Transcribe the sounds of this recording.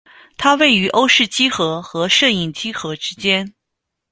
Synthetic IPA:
t̪ʰa˥we˥˩ɪy˧˥ʔo˥ʊʂɻ̩˥˩t͡ɕi˥xɤ˧˥xɤ˧˥ʂɤ˥˧i˥˩ŋt͡ɕi˥xɤ˧˥ʈ͡ʂɻ̩˥t͡ɕjɛ˥n

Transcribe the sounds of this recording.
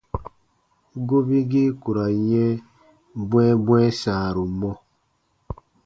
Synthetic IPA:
ɡo˦bi˦ɡi˦ku˨ɾa˨ɲɛ˦ | bwɛ˦bwɛ˦saː˨ɾu˨mɔ˦

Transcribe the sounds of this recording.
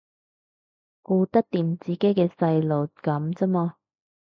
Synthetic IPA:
kuː˧t̪ɐ˥k̚t̪iː˨mt͡siː˨˦ke˨˥jkɛː˧sɐ˧jlo˨˩kɐ˨˥mt͡sɐ˥mɔː˧

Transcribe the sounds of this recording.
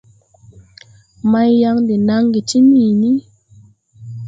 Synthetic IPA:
ma˧˦jːa˧˦ŋdi˨na˦ŋɡi˨ti˦ni˨ni˦

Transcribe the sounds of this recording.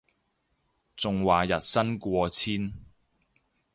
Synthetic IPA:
t͡sʊ˨ŋwaː˨jɐ˨t̚sɐ˥nkʷɔː˧t͡sʰiː˥n

